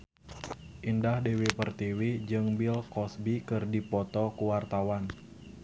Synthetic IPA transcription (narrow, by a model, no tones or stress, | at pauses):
ʔindahdewipərt̪iwid͡ʒɨŋbilkɔsbikɨrdipɔt̪ɔkuwart̪awan